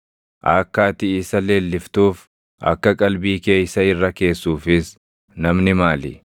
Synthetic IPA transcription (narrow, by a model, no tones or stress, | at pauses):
ʔɐːkːaːt̪ɪiːsɐleːlːɪft̪uːf | ɐ̰kːɐkʼɐlbiːke̞ːjsɐɪrːɐke̞ːsːuːfɪs | nɐmnɪmaːlɪ̰